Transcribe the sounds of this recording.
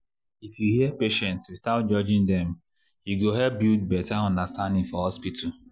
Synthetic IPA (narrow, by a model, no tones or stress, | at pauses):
ifjuhiɛpeʃɛ̃ntsstat̚d͡ʒɔd͡ʒɪ̃ndɛm̩ | hiɡoɦɛlp̚bid̚bɛtaɔ̃ndastãndɪ̃ŋfɔhɔspitʰʊ